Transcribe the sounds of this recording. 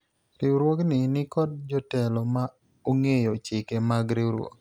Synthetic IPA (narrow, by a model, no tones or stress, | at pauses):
ɾɪwɾwoknɪnɪkɔd̚d͡ʒɔtɛlɔma | oŋejot͡ʃɪkemaɡɾiɾwɔ̰k